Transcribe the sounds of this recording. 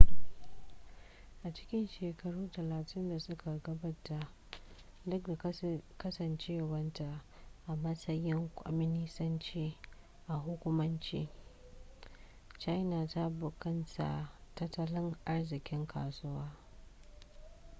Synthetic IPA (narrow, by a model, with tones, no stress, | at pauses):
ʔa˨t͡ʃɪ̥˦kʲɪ˦nʃeː˨kʰɐ˦ɽuː˦tɐ˨laː˨tʰɪ˦nda˨sʊ˦ka˨ɡɐ˦ba˦ta˦ʔ | dʊ˦k̚da˨kɐ˦sɐ˨nt͡ʃeː˦˨wɐ˦nta˨ʔʔa˨mɐ˦sɐ˦jɪ˦ŋkʷʼɔ̰˦mɪ˦nɪ˦sɐ˦nt͡ʃiː˦ | ʔa˨ɦʊ˦kʷʊ˦mɐ˦nt͡ʃiː˦ | t͡ʃa˦jna˨ta˦bʊ˨kɐ˦ntʰa̰˨tɐ˦tːɐ˦lɪ˦ŋʔa˦rzɪ˨kʲɪ˦ŋkʰa̰ː˨sʊ˦waː˦